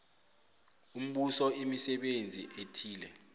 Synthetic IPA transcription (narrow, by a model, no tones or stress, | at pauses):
um̩ɓusɔimisɛɓend͡zʱiʔetʰiːlɛ